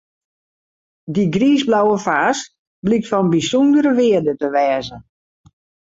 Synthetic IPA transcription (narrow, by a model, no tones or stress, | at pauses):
diɡriːzblawəfaːs | blik̚tfɔnbisɔndəɾəʋɪədətəʋɛːzə